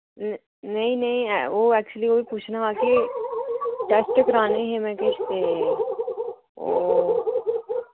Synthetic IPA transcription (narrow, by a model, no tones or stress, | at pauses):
n | nɐĩnɐɦĩʋoːɛːk̚t͡ʃuəlioːbipuːt͡ʃʰnaaːke | ʈɛːsʈəkɾaːneɦɛmɛ̃kɛːsse | o̰